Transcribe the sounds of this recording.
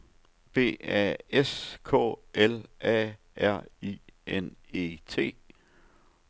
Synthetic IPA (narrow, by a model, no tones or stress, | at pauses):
b̥e̝̰ːɛ̰eskʰɔ̰̽ːʔelɛ̰ | æɐ̰iene̝̰t͡sʰe̝̰ː